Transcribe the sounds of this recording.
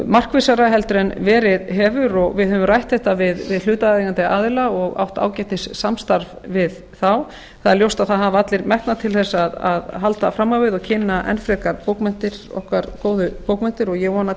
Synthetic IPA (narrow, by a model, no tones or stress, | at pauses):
mar̥kvɪsaɾaɦɛlt̪ɾɛnvɛːɾɪðɦɛːvʏɾɔɣvɪðhɛvʏmrajht̪θɛht̪avɪðvɪðl̥ʏːt̪aiɣant̪ɪʔaːðɪlaɔɣa̰wht̪a̰ːwcɛht̪ɪsːamst̪aɾv | vɪð | θaw | θaðɛɾljowst̪aðθaðɦaːvat̪lɪɾmɛhknat̪ʰɪlθɛsːaðaðɦalt̪afɾamːawvɪðɔcʰɪnːaʔɛ̰nfɾɛkaɾpowkmɛn̥t̪ɪɾ̥ɔ̰hkvaɾkoːwðʏpowkmɛnt̪ɪɾɔjɛɣvɔːna